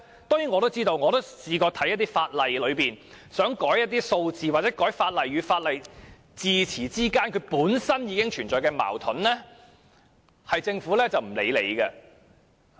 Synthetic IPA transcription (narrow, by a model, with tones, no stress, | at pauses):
t̪ɔː˥ŋjyː˨˥ŋɔː˨˧ɾo˥wt͡siː˥t̪o˧wŋɔː˨˧t̪o˥wsiː˧kɔː˧t̪ʰɐ˨˥jɐ˥t̪iː˥faː˧t̚lɐ˨jlɵ˨˧ɥpiː˨n | sœː˨˥ŋkɔː˨˥jːɐ˥t̚t̪iː˥so˧wt͡siː˨wa˨t͡sɛː˨˥kɔː˨˥jfaː˧t̚lɐ˨jyː˨˧faː˧t̚lɐ˨j | t͡siː˨˧t͡sʰiː˨˩t͡siː˥kaː˥nkʰɵ˨˧ɥpuː˨˥nsɐ˥njiː˨˧kɪ˥ŋt͡ʃʰyː˨˩nt͡ʃɔː˨jkɛː˧ma̰ː˨˩wt̪ʰʊ˨˥nlɛː˥ | hɐ˨jt͡sɪ˧ŋfuː˨˥lɛː˥t͡sɐ˨wm̩˨˩lḛ˨˧jlḛ˨˧˥jɡɐ˧